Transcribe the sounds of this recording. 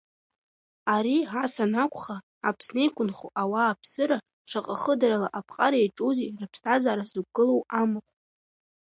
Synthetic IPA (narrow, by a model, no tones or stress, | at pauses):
aɾiasanakʷʰʼχaː | pʰsnejkʷʼʊnχuʔawaːpʰsɨɾa | ʂʷʰaqʼaχədaɾalaʔapʰqʼaɾaejʈ͡ʂʼozirɨpʰstʰazaːɾazuɡɨlowamɨqʷʼ